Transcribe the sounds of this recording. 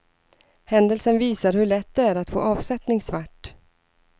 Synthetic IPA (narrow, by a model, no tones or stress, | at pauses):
hɛnd̪əlsənviːsaɾhɵɭɛt̪̚ːd̪ɛæɾat̪fo̰ːʔɑːvsɛt̪nɪŋsvaʈː